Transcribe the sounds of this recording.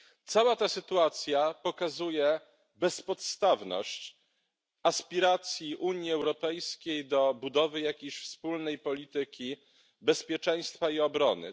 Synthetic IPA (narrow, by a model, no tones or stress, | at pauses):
t̪sawat̪asɘt̪uat̪sʲjapɔkazujɛ | bɛspɔt̪st̪avnɔ̰ɕt͡ɕ | aspʲiɾat̪sʲjiʔuɲjiɛwɾɔpɛjskʲejd̪ɔbud̪ɔvɘjakʲejɕfspulnɛjpɔlʲit̪ɘkʲi | bɛspʲjɛt͡ʂɛj̃st̪faiɔbɾɔnɘ̰